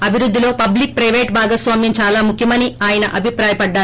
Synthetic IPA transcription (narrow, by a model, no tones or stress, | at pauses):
ɐbʱiɾud̪ʱːilo̞ːpɐblik̚pɾɐjʋeːʈbʱaːɡɐsʋaːmjɐɲt͡ʃaːlaːmukʰjɐmɐniaːjɐnɐʔɐbʱipɾaːjɐpɐɖːaː